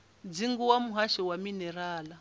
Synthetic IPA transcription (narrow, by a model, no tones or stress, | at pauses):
d͡ziŋɡuwamuɦaʃɛwaminɛɾaːla